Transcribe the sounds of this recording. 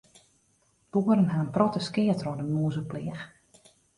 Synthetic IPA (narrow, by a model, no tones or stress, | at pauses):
b̥uːəɾənɦaənprɔtəskɪətrɔdəmuːzəplɪəx